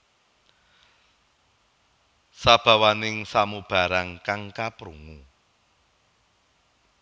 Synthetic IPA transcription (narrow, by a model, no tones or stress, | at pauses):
sab̥a̤wanɪŋsamub̥a̤ɾaŋkaŋkapɾuŋu